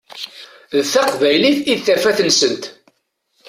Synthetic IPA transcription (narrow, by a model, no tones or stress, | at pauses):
ðθɑqvæjliθiðθæfæθənsənt̪